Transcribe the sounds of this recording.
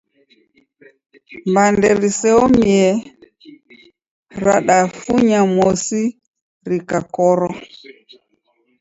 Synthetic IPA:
mbandɛɾisɛɔmiɛ | ɾaɗafuɲamɔsi | ɾikakɔɾɔ

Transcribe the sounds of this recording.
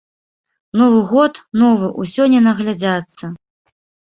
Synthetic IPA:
nɔvɨɣɔt̪nɔvɨʔusʲɔnʲːɛnɐɣlʲad͡zʲat̪sːɐ

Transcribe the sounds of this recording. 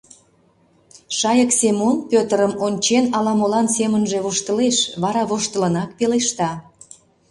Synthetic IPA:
ʃɑjəksemonpʲøt̪əɾəmonʲt͡ɕenɑlɑmolɑnsemənʒeβoʃt̪əleʃβɑɾɑβoʃt̪ələnɑk̚peleʃt̪ɑ

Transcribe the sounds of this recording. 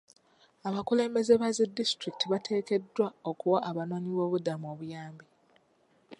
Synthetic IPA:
aβakule̞ːmbe̞ze̞βazedːistɾikitʰiβatʰe̞ːke̞dːwaokuwaʔːβano̞ːniβo̞ːβudamuo̞ːβujaːmbi

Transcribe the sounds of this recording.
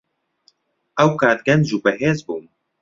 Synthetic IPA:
ʔɛwkaːd̪̚ɡɛnʒuːbɛɦeːzbuːm

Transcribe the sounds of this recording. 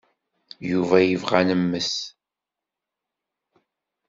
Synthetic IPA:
juvæjəvʁanəmːəs

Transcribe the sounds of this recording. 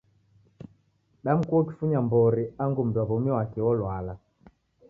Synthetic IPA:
ɗam̩kuɔki̥fuɲambɔɾiaŋɡum̩dwaβɔmiwakɛwɔlwala

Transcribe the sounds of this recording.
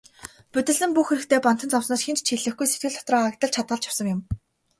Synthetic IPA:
pɵt̪ɘ̆ɮɘ̆mpuxeɾɘ̆kt̪ʰeːpɔnt̪ɞ̆nt͡sʰɔwsnɔːt͡ɕxent͡ɕt͡ɕʰiɮɘ̆xɡujset̪ɡɘ̆ɮt̪ʰɔt̪rɔːakt̪ə̆ɮt͡ɕʰat̪̚ɢə̆ɮt͡ɕjawsɞ̆ŋjʊm

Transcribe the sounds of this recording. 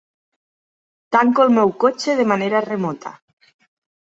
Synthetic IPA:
t̪aŋkolmewkot͡ʃeð̞emaneɾaremɔt̪ʰa̰

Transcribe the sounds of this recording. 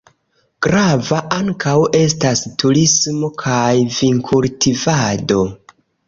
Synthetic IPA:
ɡ̥ɾavaʔaŋkʰawe̞stastuɾismo̞kʰajviŋkʰultʰivado̞

